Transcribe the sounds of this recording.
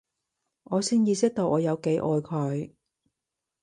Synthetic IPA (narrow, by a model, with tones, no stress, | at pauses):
ʔɔː˨˧siː˥njiː˧sɪ˥k̚t̪o˨˧wʔɔː˨˧jɐ˨˧wke˨˥jʔɔː˨˧jkʰɔː˨˧j